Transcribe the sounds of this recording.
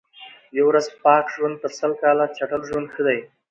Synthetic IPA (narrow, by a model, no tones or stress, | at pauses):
jawɾazpɑkʒwand̪̚pəɾsəlkɑlat͡ʃaʈəlʒwand̪xəd̪aj